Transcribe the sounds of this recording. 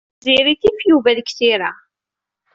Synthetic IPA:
ziɾiθifjuvæðəkθiɾa

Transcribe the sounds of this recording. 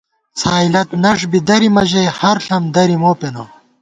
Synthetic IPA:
saːilɐt̪nɐʂbid̪ɐɾimɐʑɐjhɐɾɬɐmd̪ɐɾimoːpeno

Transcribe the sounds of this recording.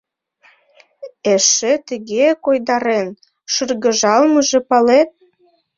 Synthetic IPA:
eʃet̪əɣekojd̪ɑɾen | ʃɯrɣəʒɑlməʒĕpɑlet̪̚

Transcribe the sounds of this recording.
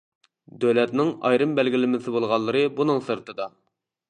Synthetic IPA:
d̪ølɛt̪nɪŋɑ̰jɾɨmbælɡʲilɪmɪsɪbolˠʁɑnlˠːɨɾɨbunɨŋsɨɾt̪ʰɨd̪ɑ

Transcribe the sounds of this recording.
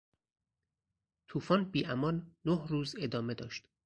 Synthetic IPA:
t̪ʰuːfɒːnbiːʔæmɒːnːohruːze̞d̪ɒːme̞d̪ɒːʃt̪

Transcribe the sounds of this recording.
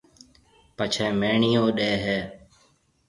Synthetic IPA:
pət͡ʃʰɛːmeːɳiːõːɗeːɦeː

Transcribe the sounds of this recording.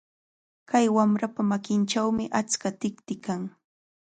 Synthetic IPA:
kajwamɾapamakɪnʈ͡ʂawmɪʔat͡skat̪ɪkt̪ɪkaŋ

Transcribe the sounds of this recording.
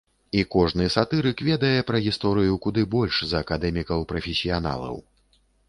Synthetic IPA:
ikɔʐnɨsat̪ɨɾɨkvʲɛd̪ɐjɛpɾɐɣʲist̪ɔɾɨjukud̪ɨbɔlʲʂzɐːkad̪ɛmʲikɐwpɾɐfʲɛsʲijana̰lˠɐ̰w

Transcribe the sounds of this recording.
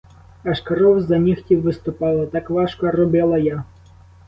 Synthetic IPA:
ɐʃkɐɾɔwzɐnʲixtʲiwːɪst̪ʊpɑlˠɐt̪ɑkʋɑʃkɔrɔbɪlˠɐja

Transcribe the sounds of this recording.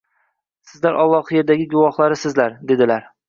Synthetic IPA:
sɪzlaɾʔɒlˠːɒqje̞ɾd̪aɡʲɪɡʊvɒhlˠaɾɪsɪzlaɾd̪e̞d̪ɪlaɾ

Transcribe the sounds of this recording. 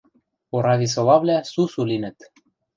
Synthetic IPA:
oɾɑd̪ʲis̬olˠɑβlʲæsusulinɘ̆t̪

